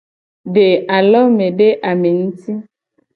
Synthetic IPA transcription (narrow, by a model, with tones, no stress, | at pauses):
ɖe˨a˨lɔ˦me˨ɖe˦ʔa˨me˨n̩˦ti˦